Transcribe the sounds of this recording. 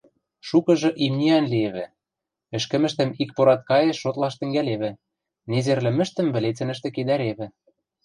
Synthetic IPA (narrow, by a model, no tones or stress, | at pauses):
ʃukɤ̆ʒɤ̆ʔimnʲiɑnlieβɘ̆ | ɘ̆ʃkɘ̆mɘ̆ʃt̪ɘ̆mik̚poɾɑt̪̚kɑjĕʃːot̪lɑʃt̪ɘ̆ŋɡæleβɘ̆ | nezerlɘ̆mɘ̆ʃt̪ɘ̆mβɘ̆let͡sɘ̆nɘ̆ʃ̬t̪ĕked̪æɾeβɘ̆